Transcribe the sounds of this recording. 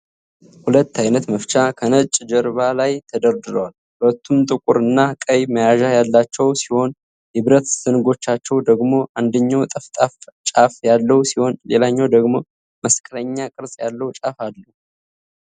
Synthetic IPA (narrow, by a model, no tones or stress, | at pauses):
hulət̪ːajnət̪məft͡ʃʼakʰənət͡ʃʼd͡ʒəɾβalajt̪ʰəd̪əɾd̪ɨɾəwalhult̪ʰːumt̪ʼɨkʼuɾɨnːakʼəjməjaʒajalːat͡ʃːɛwsiho̞n | hɨβɾət̪sɨnɨɡo̞t͡ʃːat͡ʃːɛwd̪əɡmo̞ʔand̪əɲːawt̪ʼəft̪ʼaft͡ʃʼafjalːəwsiho̞nlelaɲːawd̪əɡmo̞ | məskʼɾəɲːakʼɨɾsʼjalːəwt͡ʃʼafalːəu